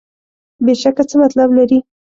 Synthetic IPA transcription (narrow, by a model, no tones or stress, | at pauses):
beʃakat͡səmat̪lablaɾi